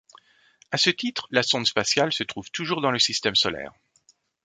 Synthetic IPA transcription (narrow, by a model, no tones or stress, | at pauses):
asət̪it̪χlasɔ̃d̪spasjalsət̪χuv̥t̪uʒuʁd̪ɑ̃ləsist̪ɛmsɔlɛ̰ːʁ